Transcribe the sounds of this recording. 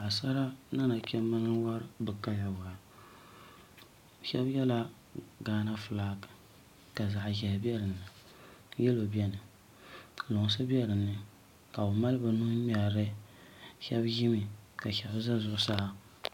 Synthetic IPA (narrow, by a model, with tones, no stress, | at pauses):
a˨sa˦ɾa˦na˦na˨t͡ʃʲɛ˦mɨ˦nɨ˦wa˦ɾbɨ˨ka˦ja˨wa˨ɾ | ʃɛ̰˦bjɛ˦la˦ | ɡaː˦na˦fɨ˨laː˦kɨ̥˨ | ka˨za˨ʔʒɛ˨bɛ˦ɾɨ˨nːɨ˨ | jɛ˦lo˨bɛ˦nɨ˨ | lo˨ŋ˨s̬ɨ˦bi˦ɛ˦ɾɨ˨nːɨ˨ | ka˨o˨ma˦lɨ˦ba˨nu˦mi˦a˨ɾɨ˦ | ʃɛ˦bʒi˦mi˨ka˨ʃɛ˨bza˦zʊ˨ʔʊ˦sa˦ʔa˦